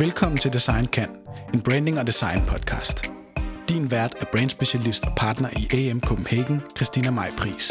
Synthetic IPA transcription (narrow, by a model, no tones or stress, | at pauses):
ʋelkʰɒ̽m̰n̩t͡sʰe̝ld̥isɑ̈ɪ̰nkʰæn̰e̝nb̥ʁɛːnd̥e̝ŋɒ̽d̥isɑ̈ɪnpʰɒ̽d̥kʰɑ̰̈ːsd̥ː | inʋæɐd̥æɐb̥ʁɛːnd̥sb̥e̝ɕælisd̥ɒ̽pʰɑ̈ːd̥nɐʔiʔeemkʰob̥m̩heɡ̥n̩kʰʁisd̥iːnæmɑ̈ɪ̰pʰʁḭːs